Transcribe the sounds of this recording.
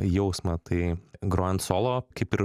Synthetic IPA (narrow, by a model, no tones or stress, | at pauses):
jɛʊsmɐt̪ʰɐɪɡɾoɐnt̪soːlˠoːkɐɪpɪɾ